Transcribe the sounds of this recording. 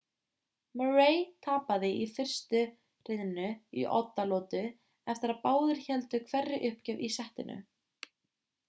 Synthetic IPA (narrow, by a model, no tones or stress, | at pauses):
məɹeːjt̪ʰaːpaðɪʔifɪr̥st̪ʏ | rɪðnːʏḭʔɔ̰t̪ːalɔːt̪ʏ | ɛft̪ɪɾaðpaːwðɪɾ̥çɛlt̪ʏkʰvɛrːɪʔʏhpcɛvisɛht̪ɪ̰nʏ̰